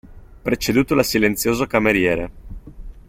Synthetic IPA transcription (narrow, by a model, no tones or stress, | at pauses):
pɾet͡ʃed̪uːt̪olasilent̪sjoːzokameɾjɛːɾe